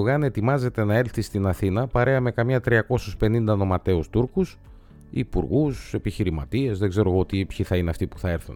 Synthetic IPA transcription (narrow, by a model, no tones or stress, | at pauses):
oɣɐne̞t̪imɐze̞t̪e̞nɐe̞lθist̪inɐθinɐpɐɾe̞ɐme̞kɐmɲɐt̪ɾiɐko̞suspe̞nind̪ɐno̞mɐt̪e̞ust̪uɾkus | ḭpṵɾɣuse̞piçiɾimɐ̰t̪ie̞zðeɡze̞ɾo̞ɣoot̪ipçiθɐineɐft̪ipu̥θɐe̞ɾθṵn